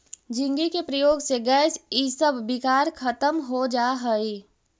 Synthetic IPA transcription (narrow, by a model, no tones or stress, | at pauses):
d͡ʒɪ̃ŋɡikepɾəjoːɡseɡɛːsisəbʱːɪkaːɾkʰɐt̪əmɦod͡ʒaɦəi